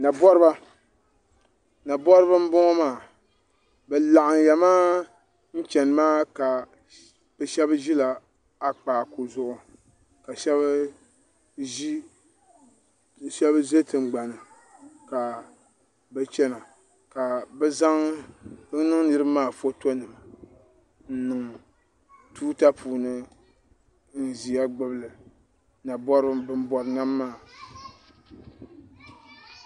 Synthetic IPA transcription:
na˨bɔ˦ɾɨ˦ba˦ | na˨bɔ˦ɾɨ˦ba˦m̩˦bɔ˦ŋɔ˦maː˦˨ | bɛ˨la˨ʔa˨ŋjɛ˨maː˦ | n̩˦t͡ʃɛ˨n˨maː˦ka˨ | b̥ɛ˨ʃɛ˦bʒi˦la˨ | a˨k͡paː˨ku˨zʊ˦ʔʊ˨ | ka˨ʃɛ˦βa˦ | ʒi˦˨ | ʃɛ˦bze˦tɨ˨ŋ͡mɡ͡ba˨nɨ˨ | ka˨ | bɛ˨t͡ʃɛ˦na˨ | ka˨bɛ˦za˦ŋ | ɨ˦nɨ˦ŋ˦nɨ˦ɾɨ˦maː˦˨fo˦to˦nɨ˨ma˨ | n̩˦nɨ˨ŋ | tuː˦ta˦pʰuː˨nɨ˦ | n̩˦zi˨a˦ɡ͡bɨ˦blɨ˨ | na˨bɔ˦ɾɨ˦bɨ˦m˦bɔ˦ɾɨ˨na˦mːaː˦˨

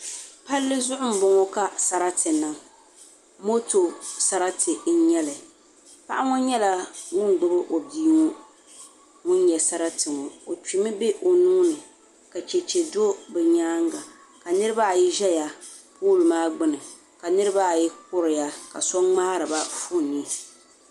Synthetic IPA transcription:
pa˦lːɨ˦zʊ˦ʔʊ˦m̩˦bʊ˨ŋɔ˦ka˦sa˨ɾa˦tɨ˨na˨ | mo˦to˨sa˨ɾa˦tʰɨ˨n̩˦ɲɛ˦lɨ˨ | pa˦ʔa˦ŋʊ˦n˦ɲɛ˦la˦ŋʊ˦nɡ͡bʊ˦bɨ˦ʔo˨biː˦ŋɔ˦ | ŋʊ˦n˦ɲɛ˨sa˦ɾa˦tɨ˨ŋɔ˨o˨t͡ʃi˨mɨ˦be˦ʔo˨nuː˦nɨ˨ | ka˨t͡ʃɛ˨t͡ʃɛ˨do˦bɛ˨ɲaː˦ŋɡa˨ | ka˨nɨ˦ɾɨ˦ba˦˨ji˦ʒɛ˦ja˨ | puː˦lɨ˨maː˦ɡ͡bɨ˦nɨ˨ | ka˨nɨ˦ɾɨ˦ba˦˨ji˦k̚ʊ˦ɾɪ˨ja˨ka̰˨sɔ˦ŋ͡maː˦ɾɨ˨ba˦fu˦˨ni˦

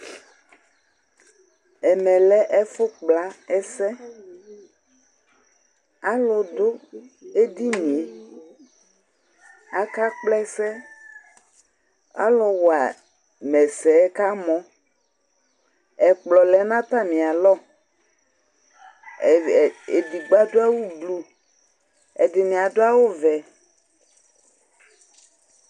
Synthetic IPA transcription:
ɛ˨mɛ̃˨lɛ˦ʔɛ˦fʊ˦k͡pla˨˦ɛ˦sɛ˦ | a˦lɔ˨d̪o˦e˦d̪i˦nĩ˨e˨ | a˦ka˦k͡plɛ˦sɛ˦ | a̰˦lɔ˨wɔ˨a˨ | mɛ˨sɛ˨˦ka˦mɔ̃˦ | ɛ˨k͡plɔ˨lɛ˨˦nã˦t̪a˦mĩ˨a˨lɔ˦˨ | e˨di˨ɡ͡ba˦do˦a˦wu˦blu˦ | ɛ̰˨dɪ˨nĩ˨a˨d̪o˦a˦wo˦vɛ˨

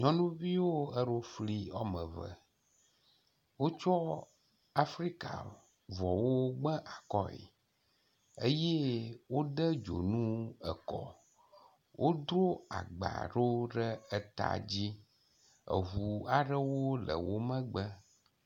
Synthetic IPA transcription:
ɲɔ̃˦nũ˦vi˦wo˦ə˦ɖo˦fli˦ɔ˦mə̃˨və̰˨ | wo˦t͡ʃɔ˦ | a˦fɾi˦ka̰˨ | vɔ˨wo˦ɡ͡bə˦ʔa˨kɔ˦ḛ˨ | e˦je˦wo˦ɖə˦d͡ʒo˨nũ˦ə˨kɔ̰˨ | wʔo˦d̪ɾo˦a̰˨ɡ͡ba̰˨ɖo˦ɖə˦ə˦t̪a̰˨d͡ʑi˦ | ə̰˨ɦu˨a˨ɖə˦wo˦lə̰˨wo˦mə̃˦ɡ͡bə˦

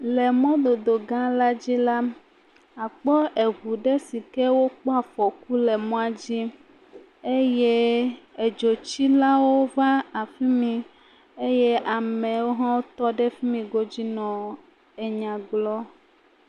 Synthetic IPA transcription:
le˨mɔ̃˦d̪o˨d̪o˨ɡã˦la˦d͡ʑi˦la˦ | a˨k͡pɔ˦ʔe˨ɣu˨ɖɛ˦si˨kɛ˦wo˦k͡pɔ˦a˨fɔ˨ku˦le˨mɔ̃˦a˦d͡ʑi˦ | e˦je˦e˨d͡ʒo˨t͡ɕi˦la˦wo˦va˦a˨fi˦mĩ˨ | e˦je˦ʔa˨mɛ̃˨wo˦ɦã˦wo˦t̪ɔ˦ɖɛ˦fi˦mĩ˨ɡo˦d͡ʑi˦nɔ̃˨ | e˨ɲã˨ɡlɔ˦

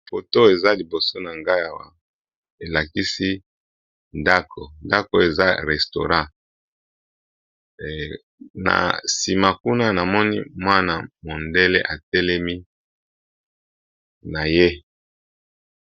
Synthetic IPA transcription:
fo˨to˦e˨za˦li˨bo˨so˦na˨ŋɡa˦ja˨wa˨ | e˨la˨ki˦si˦ | nda˦kʰo˨nda˦ko˨e˨za˦ʁɛ˨sto̰˨ʁã˦ | na̰˨si˨ma˨ku˦na˦na˨mɔ˦ni˦mwa˦na˨mo˨nde˦le˦ʔa˨tɛ˦lɛ˦mi˦ | na˨je˦

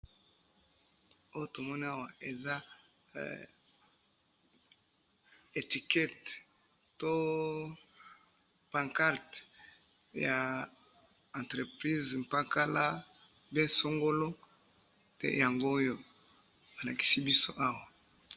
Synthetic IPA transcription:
o˦jo˦to˨mɔ˦ni˦a˦wa˨e˨za̰˦ | e˨ti˨kɛ˦t | to˦ | pã˨ŋka˦ʁt | ja˨ | ã˨ntʁe˨pʁi˦zm˨pa˦ka˦la˦ | bɛ˦so˦ŋɡo˦lo˦ | tḛ˨ja˨ŋɡoː˦jo̥˦ | a˨la˨ki̥˨si˦bi˦so˦ʔa˦wa˨

